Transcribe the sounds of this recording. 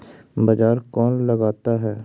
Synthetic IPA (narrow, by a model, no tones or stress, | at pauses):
bɐd͡ʒaːɾkɔːnlɐɡaːt̪aɦɛː